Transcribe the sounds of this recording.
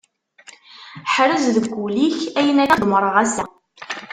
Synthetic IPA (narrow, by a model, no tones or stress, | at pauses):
ħɾəzðəɡʷːuliçæjənæd̪məɾˤʁæsæ